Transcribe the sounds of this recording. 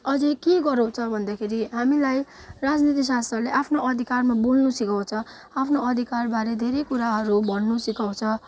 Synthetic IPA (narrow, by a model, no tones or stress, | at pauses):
ʌd͡zikeɡʌɾũt͡sʰʌbʱʌnd̪akʰeɾiɦamilaj | rad͡znit̪̬is̬ast̪rʌleʔapʰnoʌd̪ʱikarmabulnusikaw̃t͡sʰʌ | apʰnoʌd̪ʱikarbaɾed̪ʱeɾekuɾaɦʌɾubʌnːusikaw̃t͡sʰʌ